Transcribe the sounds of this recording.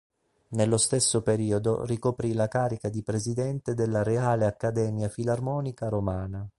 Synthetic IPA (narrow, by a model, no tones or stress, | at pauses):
nelːost̪esːopeɾiːod̪o̰rikopɾilakaːɾikad̪ipɾezid̪ɛnt̪ed̪elːaɾeaːleakːad̪ɛːmjafilarmɔːnikaɾomaːna